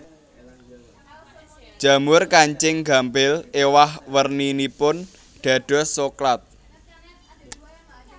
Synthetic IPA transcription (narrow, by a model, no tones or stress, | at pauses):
d̥ʒ̥ä̤mʊrkaɲt͡ʃɪŋɡa̤mbɪlewahwərninipʊn | ɖ̪̥ä̤ɖ̥ɔ̤soklat̪̚